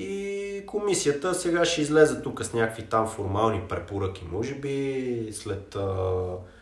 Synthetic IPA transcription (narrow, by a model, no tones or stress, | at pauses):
ikʰomisijət̪əsɛɡaʃɛizlɛzət̪ukəsnʲakkvit̪amfoɾmalˠnipɾɛpoɾɤk̟imɔʒɛbislɛt̪ə